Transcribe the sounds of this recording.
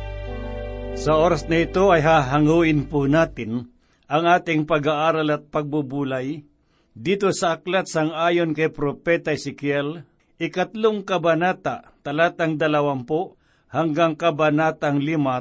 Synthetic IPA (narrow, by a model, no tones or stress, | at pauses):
sɐʔoːɾasnɐɪt̪oɐjɦaːɦaŋuːʔɪnpʊnaːt̪ɪn | ʔɐŋʔaːt̪ɪŋpɐɡaʔaːɾalɐt̪̚pɐɡ̚bubuːlaj | d̪iːt̪osɐʔaklat̪saŋaːjonkɐjpɾopɛt̪aɪsɪkjɛl | ʔɪkat̪loŋkɐbanaːt̪at̪ɐlaːt̪aŋd̪ɐlɐwampo | haŋɡaŋkɐbanaːt̪aŋlɪma